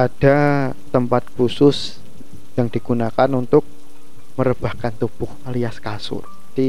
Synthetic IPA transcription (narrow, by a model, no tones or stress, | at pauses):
ad̥a | t̪əmpat̪̚kusʊs | jaŋd̥iɡ̥unakanunt̪ʊk̚ | məɾəb̥a̤hkant̪ub̥ʊhaliaskasʊ̰rd͡ʒad̥i